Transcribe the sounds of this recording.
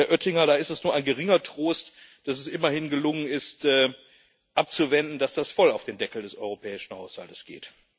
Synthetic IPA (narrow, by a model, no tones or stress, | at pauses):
ɐʔœtɪŋɐɾaːɪstɛsnuːɐʔaɪnɡəʁɪŋɐtʁ̥oːstd̥as̬ɛsʔɪmɐhɪnɡəlʊŋənɪstɛː | ʔap̚t͡suvɛndn̩dasd̥asfɔlaʊfd̥eːmdɛkl̩dɛsʔɔʏʁ̞opʰɛːɪʃn̩haʊsha̰ltə̥sɡ̥ḛːt